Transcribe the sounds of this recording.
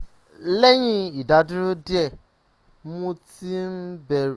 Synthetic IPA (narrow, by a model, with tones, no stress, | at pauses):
le˦ɲi˦i˨da˨dʊ˦ɾu˦dɪ˦ɛ˨ | mũ˦ti˦m̩˦be˨ɾ